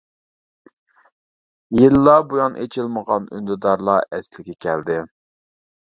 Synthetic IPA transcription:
jilːɑbujɑnʔḛt͡ʃʰilˠməʁɑny̰nd̪ɪd̪ɑɾlˠɑɛslɪkʲʰɛkʲʰɛld̪ɪ

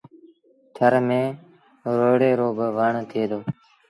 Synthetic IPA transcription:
t̪ʰəɾmẽː | ɾoːɽeːɾoːbʋəɳt̪ʰeːd̪oː

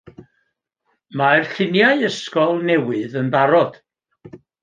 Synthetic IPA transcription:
marɬɪnjaɨəskɔlˠnɛwɨðənbaɾɔd̥

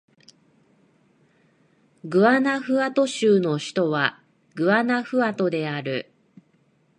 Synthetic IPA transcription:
ɡɯ̟anaɸɯ̟at̪o̞ɕɨːno̞ɕi̥t̪o̞βa | ɡɯ̟anaɸɯ̟at̪o̞d̪e̞aɾɯ̟

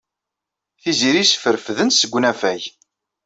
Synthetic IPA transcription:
θiziɾisə̥fəɾfðənsəɡʷːnæfæj

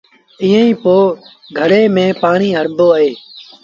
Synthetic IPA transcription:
iːə̃ĩːpoː | ɡʱəɾeːmẽːpaːɳiːɦəɾboːəɦeː

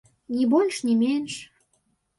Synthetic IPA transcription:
nʲibolʲʃnʲimenʃ

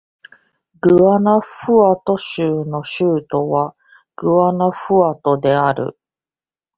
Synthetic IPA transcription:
ɡɯ̟βanaɸɯ̟at̪o̞ɕɨɯːno̞ɕɯːt̪o̞βa | ɡ̥ɯ̟βanaɸɯ̟at̪o̞d̪e̞aɾɯ̟̰

